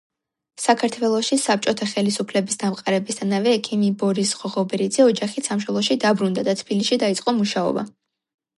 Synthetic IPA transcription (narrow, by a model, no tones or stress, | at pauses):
sakʰaɾt̪ʰwɛlˠɔʃisap̚t͡ʃʼɔt̪ʰaχɛlisupʰlɛbisd̪amqʼaɾɛbisd̪ʰanavɛːkʰimibɔɾisʁɔʁɔbɛɾid̪zɛɔd͡ʒaχit̪ʰsamʃwɛlˠɔʃid̪abɾund̪ad̪at̪ʰbiliʃid̪ait̪sʼqʼɔmuʃaɔ̰ba̰